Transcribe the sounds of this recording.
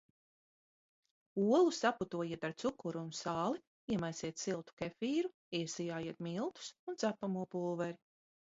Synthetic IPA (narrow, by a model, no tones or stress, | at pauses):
uɔlˠusaput̪uɔjiɛt̪aɾt̪sukuɾuːnsaːlˠi | iɛmajsiɛt̪silˠt̪u̥kɛfiːɾu | iɛsijaːjiɛt̪milˠt̪u̥sunt̪zapːamuɔpulˠvɛɾi